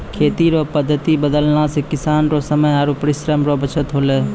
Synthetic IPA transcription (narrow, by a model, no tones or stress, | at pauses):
kʰeːt̪iːɾoːpəd̪ʱːət̪ibəd̪əlnasekɪsaːnɾosəməjaːɾopəɾɪsɾəmɾobət͡ʃʰət̪ɦoːleː